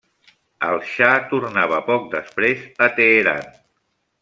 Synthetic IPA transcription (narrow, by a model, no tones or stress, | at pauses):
əlˠʃat̪urnaβ̞əpɔk̚d̪əspɾezət̪eːɾa̰n